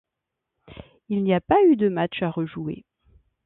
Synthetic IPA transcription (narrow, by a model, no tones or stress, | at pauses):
ilniapayd̪əmat͡ʃaʁəʒuḛ